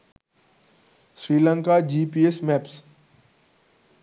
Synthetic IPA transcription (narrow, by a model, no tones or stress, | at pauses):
sɾiːlãŋkad͡ʒiːpiːesmɛːps